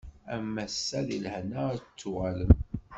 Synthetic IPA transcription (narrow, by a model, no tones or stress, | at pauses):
æmːæsːæðḭlhnæt͡sːuʁælən